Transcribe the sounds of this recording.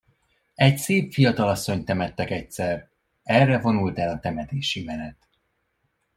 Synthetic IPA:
ɛcseːpfijɒt̪ɒlɒsːo̞ɲt̪ɛmɛt̪ːɛkɛcsɛr | ɛrːɛvo̞nult̪ɛlɒt̪ɛmɛt̪eːʃimɛnɛt̪

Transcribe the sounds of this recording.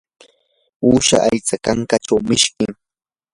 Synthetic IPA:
uːʃa̰ʔajt͡sakaŋkaʈ͡ʂawmɪʃkɪŋ

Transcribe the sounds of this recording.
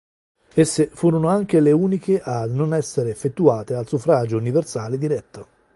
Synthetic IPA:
esːefuːɾonoaŋk̟eleuːnikeʔanonɛsːeɾeːfːet̪ːuaːt̪ealsufɾaːd͡ʒouniversaːled̪iɾɛt̪ːo

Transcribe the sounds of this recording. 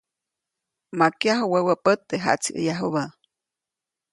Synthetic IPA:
makjaɦowewəpət̪ːeɦa̰t͡sʰiʔə̰jaɦuβa

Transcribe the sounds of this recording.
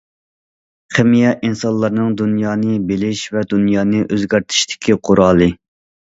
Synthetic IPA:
χɪmijɛʔinsɑnlˠːɑɾnɨŋd̪unjɑːnɨbelɪʃvɛd̪unjɑːnɨʔøzɡʲæɾt̪ʰɪ̥ʃt̪ʰɪ̥kʲʰiqʰʊɾɑːlˠɨ

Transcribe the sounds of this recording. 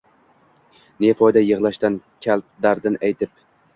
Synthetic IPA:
nefɒjd̪ajɨʁlˠaʃt̪ankʲʰalt̪̚d̪aɾd̪ɪnajt̪ʰɪp̚

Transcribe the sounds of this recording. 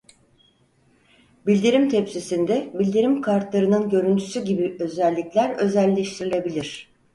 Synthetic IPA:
bilʲd̪iɾimt̪ʰepsisind̪ɛbilʲd̪iɾimkʰaɾt̪lˠaɾɯnɯnɟø̞ɾynt̪ʰy̥syɟibiø̞zælʲːiclʲæɾø̞zælʲːeʃt̪ʰiɾilʲe̞bilʲiɾ̝̥

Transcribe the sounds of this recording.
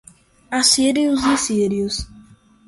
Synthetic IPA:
asiɾjʊzɪsiɾiʊs

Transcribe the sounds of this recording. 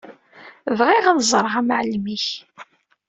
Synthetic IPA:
vʁiʁænzˤəɾˤʁæmʕlmiç

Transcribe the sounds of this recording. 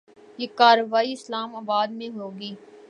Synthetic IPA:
jeːkaːɾʋaːiɪslaːmaːbaːd̪̚mẽɦoːɡiː

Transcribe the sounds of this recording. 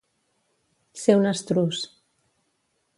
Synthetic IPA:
sewnəst̪ɾus

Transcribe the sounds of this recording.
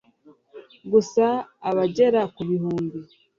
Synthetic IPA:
ɡusaːβaɟe̞ɾakuβihuːmbi

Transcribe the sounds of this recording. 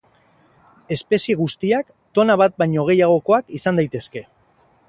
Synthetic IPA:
e̞spe̞sie̞ɣ̞ust̪iak | t̪o̞naβat̪̚bajɲo̞ɣ̞e̞jaɣ̞o̞ko̞akisand̪ajt̪e̞ske̞

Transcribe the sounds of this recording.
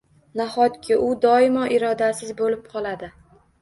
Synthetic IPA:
nahɒt̪kʲʰɪʊd̪ɒɪmɒʔɪɾɒd̪asɪzbolɪp̚qʰɒlad̪ɪ

